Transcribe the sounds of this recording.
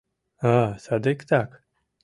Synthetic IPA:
asad̪ekt̪ak

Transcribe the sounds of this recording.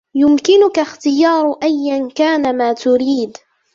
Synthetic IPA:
jʊmkɪnʊkaxt̪ɪjɑːɾˤʔajːankaːnamaːt̪ʊɾiːd̪

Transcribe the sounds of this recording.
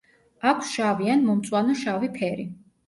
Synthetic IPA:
akʷʰsʃavianmɔmt̪sʼwanɔʃavipʰɛɾi

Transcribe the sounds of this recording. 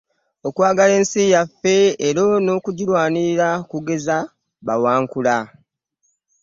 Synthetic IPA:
o̞kwaːɡale̞ːnsijafːe̞ːɾo̞no̞ːkuɟilwaːniɾakuɡe̞za | βawaːŋkula

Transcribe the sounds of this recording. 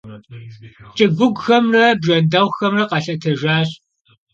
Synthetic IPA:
t͡ʃʼɨɡʷʊɡʷxɐmrɐbʒɐndɐwxɐmrɐqɐɬɐtʰɐʒʷaːɕʼ

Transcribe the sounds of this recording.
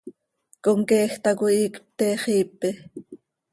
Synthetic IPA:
koŋkeːxt̪ɑkuiːkp̚t̪ɛːχiːpi

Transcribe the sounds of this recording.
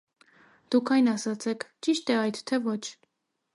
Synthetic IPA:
d̪̥ukʰɑjnɑsɑt͡sʰɛkʰt͡ʃiʃt̪ɛɑjt̪ʰt̪ʰɛvɔt͡ʃʰ

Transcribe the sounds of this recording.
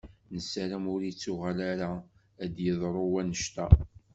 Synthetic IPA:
nəsaɾæmʊɾit͡sːuʁalaɾa | æd̪jəðˤɾˤowænəʃt̪æ

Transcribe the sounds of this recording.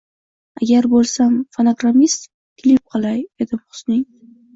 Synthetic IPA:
aɡʲaɾbolˠsamfonoɡɾamist̪ | kʰʲɪlɪp̚qʰɑlˠajed̪ɪpχʊ̥snɪŋ

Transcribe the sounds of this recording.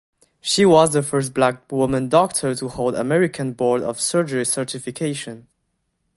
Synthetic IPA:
ʃiwʌzðəfɜ˞st̚b̥lak̚wʊmə̃ndɔk̚tʰə˞təhoʊlˠdə̰mɛɹɪkʰə̃nbɔɹdɔ̰v̥sɜ˞d͡ʒəɹisɜ˞tɪfɪkʰeɪʃɨ̃n

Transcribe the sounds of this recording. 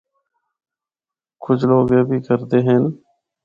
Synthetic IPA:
kʊt͡ʃʰloːɡẽːbʱiːkəɾt̪eːɦeːn

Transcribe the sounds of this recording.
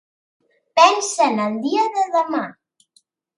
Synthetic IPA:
pɛnsənənd̪iəðəðəma

